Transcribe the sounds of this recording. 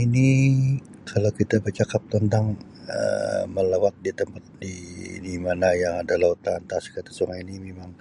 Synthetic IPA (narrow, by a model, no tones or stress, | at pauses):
ini | kʰalawkit̪abərt͡ʃakap̚t̪ənt̪aŋ | ə̰məlawat̪̚dit̪əmpat̪̚didimanajaŋadalahut̪aːnt̪askat̪ḁsoŋainimemaŋ